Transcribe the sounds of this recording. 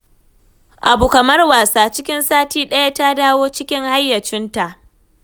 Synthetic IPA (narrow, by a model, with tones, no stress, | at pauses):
ʔa˨bu˨kɐ˨mɐ˦rwaː˨saː˦t͡ʃɪ˦kʲɪ˦nsaː˦tiː˦ɗɐ˦ja˦ta˦daː˦woː˦t͡ʃɪ˦kʲɪ˦ŋha˦jːɐ˨t͡ʃɪ˦nta˨ʔ